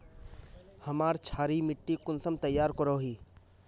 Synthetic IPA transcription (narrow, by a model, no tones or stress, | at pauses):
hɐmaːɾt͡ʃʰaːɾimɪʈːikʊnsəmt̪ɐjːaːɾkəɾoːɦiː